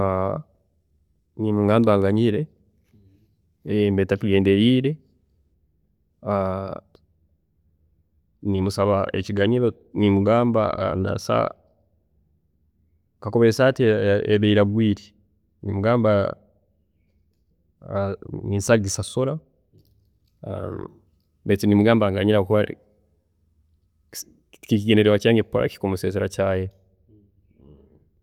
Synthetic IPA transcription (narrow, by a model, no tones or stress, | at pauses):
a | nimuɡaːmbaɡaɲiɾe | mbetatiɡeːndeɾiːɾe | a | nimusaβaḛciɡaɲiɾo | nimuɡaːmba̰a̰nda̰sa̰ | kakoβesateeβeiɾaβwiːɾi | nimuɡaːmba | miːnsaɡisasoɾa | a̰ | betinimuɡaːmbaːŋɡaɲiɾakuβa | kikiɡeneɾewacaːŋɡepːoɾa̰ki̥komuseːzeɾacaːje